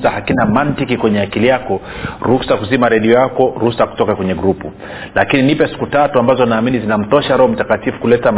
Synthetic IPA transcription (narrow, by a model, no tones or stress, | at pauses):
sahakinamantikikwɛɲɛakilijakɔɾusakuzimaɾɛɗiɔjakɔɾusaku̥tɔkakwɛɲɛɡɾupu | lakininipɛsi̥kutatuambazɔnaːminizinam̩tɔʃaɾɛhɔm̩takatifu̥kulɛtam